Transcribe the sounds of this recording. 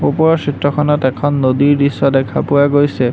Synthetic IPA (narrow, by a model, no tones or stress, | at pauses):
upɔɹɔsitɹɔkʰɔnɔtɛkʰɔnːodiɹdisːɔdɛkʰa̰pʊwaɡojsɛ